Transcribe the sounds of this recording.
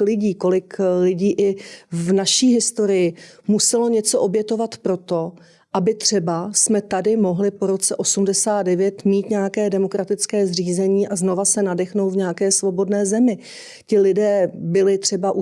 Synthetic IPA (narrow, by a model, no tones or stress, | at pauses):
lɪɟiːko̞lɪklɪɟiːʔɪvnaʃiːɦɪst̪o̞ɾɪjɪmusɛlo̞ɲɛt͡so̞ʔo̞bjɛt̪o̞vat̪pɾo̞t̪o̞ | ʔabɪt̪r̥ɛbasmɛt̪adɪmo̞ɦlɪpo̞ɾo̞t͡sɛʔosumdɛsaːd̪dɛvjɛt̪miːt̪ɲɛakɛːdɛmokɾat̪ɪt͡skɛːzr̝iːzɛɲiːʔazno̞vasɛnadɛxnowt̪vɲɛakɛːsvo̞bo̞dnɛːzɛmɪ | cɪlɪdɛːbɪlɪt̪r̥ɛbaʔu